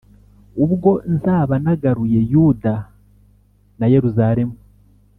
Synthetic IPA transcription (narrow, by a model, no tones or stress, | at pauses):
uβɡo̞nzaːβanaɡaɾuje̞juːda | naje̞ɾuzaɾe̞mu